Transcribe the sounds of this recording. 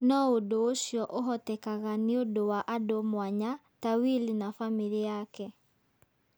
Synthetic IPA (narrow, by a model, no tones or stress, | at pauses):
nɔodooɕjɔʔoɦɔtɛkaɣaneodowaʔadomwaɲa | tawilinafamiɾiakɛ